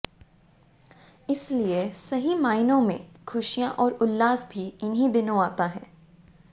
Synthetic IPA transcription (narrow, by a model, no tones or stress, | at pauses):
ɪsliesɐɦimaːɪnõmḛ̃kʰʊʃijãʔɔːɾʊlːaːzbʱiɪnɦid̪ɪnõaːt̪aɦɛ̰̃ː